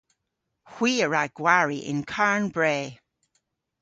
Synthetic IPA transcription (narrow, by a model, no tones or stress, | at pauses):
hw̥iːəɹaɡ̥waɹiʔɪ̰̃nkʰaɹnbɹeː